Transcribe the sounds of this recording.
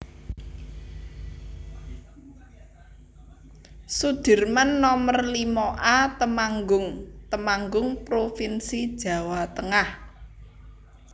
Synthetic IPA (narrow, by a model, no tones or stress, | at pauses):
sud̪̥ɪ̤rmanːɔmərlimoʔat̪əmaŋɡʊŋt̪əmaŋɡʊŋpɾofinsid̥ʒ̥ä̤wat̪əŋah